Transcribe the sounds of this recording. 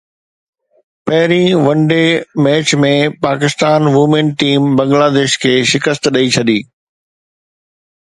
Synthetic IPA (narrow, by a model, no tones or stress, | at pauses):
pɐɦɪɾĩʋɐ̃ɳɖemɛːt͡ɕmẽpaːkɪst̪aːnʋʊmẽnʈiːmbɐ̃ŋɡlaːd̪eːʃkʰeːʃɪkəst̪ɗɐit͡ɕʰɐd̪iː